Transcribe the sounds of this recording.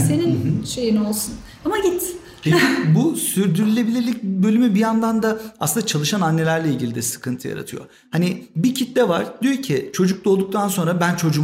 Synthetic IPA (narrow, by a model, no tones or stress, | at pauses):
se̞ninʃe̞jino̞lˠsun | amaɟit̪ | eibusyɾd̪yɾylʲe̞bilʲilʲic̚bø̞lʲymybijand̪and̪aasɯnd̪at͡ʃʰalˠɯʃananːe̞lʲæɾlʲeilʲɟilʲid̪ɛsɯ̥kʰɯnt̪ʰɯja̰ɾa̰t̪ʰɯjo̞̰ | hanibicʰit̪lʲɛvaɾd̪ijo̞ɾcʰit͡ʃʰo̞d͡ʒuk̚d̪ˠo̞lˠd̪uk̚t̪ʰanso̞nɾabænt͡ʃʰo̞d͡ʒu